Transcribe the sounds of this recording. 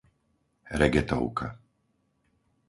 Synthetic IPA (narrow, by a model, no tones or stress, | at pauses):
ɾɛɡɛt̪ɔ̰ʊkʰa̰